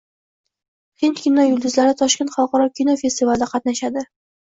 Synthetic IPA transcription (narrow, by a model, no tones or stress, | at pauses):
χint̪kʲʰinɒjʊlˠd̪ʊzlaɾɪt̪ʰɒʃkʲe̞nt̪χɑlˠqɒɾɒkʲʰinɒfʲe̞st̪ivald̪aqʰɑt̪naʃad̪ɪ